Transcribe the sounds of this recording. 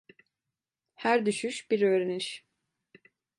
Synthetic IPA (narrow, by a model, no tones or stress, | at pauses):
hæɾd̪yʃyʃbiɾøːɾeniʃ